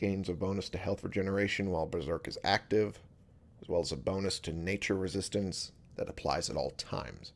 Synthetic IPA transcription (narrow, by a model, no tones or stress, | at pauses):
ɡ̥ẽɪ̃nzʌvbõʊ̃nɨstʰɨhɛlˠθɹid͡ʒɛnə˞eɪʃɨ̃nwaɪlˠbɹɨzɜ˞kɨzæ̰k̚tɪv | ɨz̥wɛlˠəzəbõʊ̃nɨstʰɨneɪt͡ʃə˞ɹɨzɪstɨ̃ns | ðɨ̰ɾəpʰl̥a̰ɪzɨ̰ɾɔ̰lˠtʰã̰ɪ̃mz̥